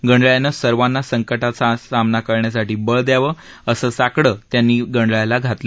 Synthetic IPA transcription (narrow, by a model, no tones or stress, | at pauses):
ɡəɳɖɭjanəsəɾʋanːasəŋkəʈat͡sasamnakəɾɳjas̬aʈiːbəɭd̪jaʋə | əsəːsakɽəːt̪janːiːɡəɳɖɭajlaɡʱat̪lə